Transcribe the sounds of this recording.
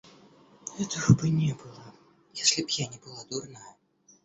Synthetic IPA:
ɣɛt̪ɐɣɐbɨnʲɛbɨlˠɐ | jasʲlʲibjanʲɛbɨlˠad̪urna

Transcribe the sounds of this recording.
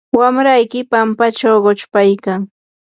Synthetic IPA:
wamɾajkɪpampat͡ʃawɢot͡ʃpajkaŋ

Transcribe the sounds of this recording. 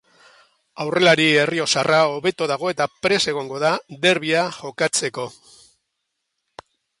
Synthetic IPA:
awre̞laɾie̞rio̞sarao̞βe̞t̪oðaɣ̞o̞e̞t̪apɾe̞se̞ɣ̞o̞ŋɡo̞ðaðe̞ɾβ̞iaʝo̞kat͡se̞ko̞

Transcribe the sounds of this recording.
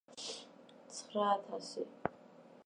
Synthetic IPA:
t͡sʰχraːtʰasi

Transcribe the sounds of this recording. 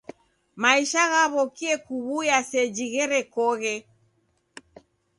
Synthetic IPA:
maiʃaɣaβɔkiɛkuβujasɛd͡ʒiɣɛɾɛkɔɣɛ

